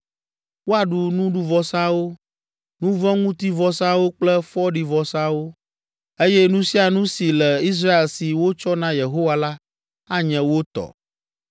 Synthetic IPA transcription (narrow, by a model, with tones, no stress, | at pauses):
wo˦a˨ɖu˨nũ˦ɖu˦vɔ˨sã˦wo˦ | nũ˦vɔ̃˦ŋũ˦t̪i˦vɔ˨sã˦wo˦k͡plɛ˦fɔ˦ɖi˨vɔ˨sã˦wo˦ | e˦jɛ˦nũ˦si˦a˨nũ˦si˨lɛ˨i˦s̬ɾa˦e˨lsi˨wo˦t͡ʃɔ˦nã˦je˨ɦo˦wa˦la˦ | a˦ɲɛ̃˨wo˦t̪ɔ̰˨